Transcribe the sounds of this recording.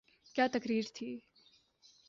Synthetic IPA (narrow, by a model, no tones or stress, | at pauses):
kjaːt̪əkɾiːɾt̪ʰiː